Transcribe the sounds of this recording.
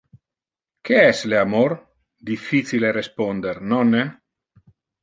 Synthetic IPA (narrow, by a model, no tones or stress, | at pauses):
keɛsleamor | d̪ifːit͡silerespond̪eɾnɔne